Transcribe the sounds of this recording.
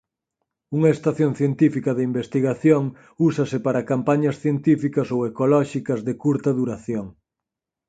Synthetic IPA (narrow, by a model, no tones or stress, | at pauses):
uŋɐest̪aθjoŋθjent̪ifikɐðeimbest̪iɣaθjoŋ | usɐsɪpaɾɐkampaɲɐsθjent̪ifikɐsowekolɔʃikɐzðɪkuɾt̪ɐðuɾaθjoŋ